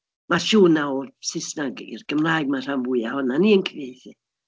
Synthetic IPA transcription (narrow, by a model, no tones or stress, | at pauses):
maʃuːnaɔsɪsnaɡḭrɡ̥əmrajɡ̚mar̥ambʊɨahɔnaniənkʰviθi